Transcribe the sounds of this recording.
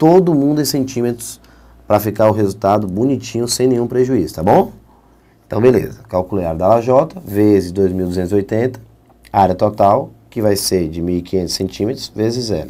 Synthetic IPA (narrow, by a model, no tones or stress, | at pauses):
t̪od̪ʊmũd̪ʊẽsẽt͡ʃĩmet̪ɾʊ̥s | pɾɐfikaɾʊɦezut̪ad̪ʊbunit͡ʃĩɲʊsẽj̃nẽɲ̃ũpɾeʒuizʊ̥t̪abõ | ẽt̪ɐ̃w̃belḛzɐkawkuleaɾd̪ɐalaʒɔt̪ɐvezɪzd̪ojzmiwd̪uzẽnt̪ʊziojt̪ẽnt̪ɐ̥ | aɾjɐt̪ɔt̪awkɪvajseɾd͡ʒɪmiwikiɲẽnt̪ʊ̥sẽnt͡ʃĩmet̪ɾʊsvezɪzɛ̰ɾʊ